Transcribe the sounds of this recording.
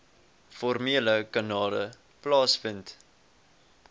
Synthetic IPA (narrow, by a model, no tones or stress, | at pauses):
fɔrmiələkɐnɑːlə | plɑːsfənt